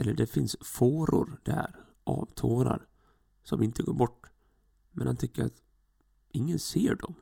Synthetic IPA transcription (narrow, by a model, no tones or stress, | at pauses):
ɛlːəɖɛfɪnsfoːɾʊɾd̪̥æɾ | ʔɑːvt̪ʰoːɾa̰ɾ | sɔmɪnt̪əɡoːɾbɔʈː | mɛnhant̪ʰʏkːəɾat̪ | ɪŋːənseːɖɔm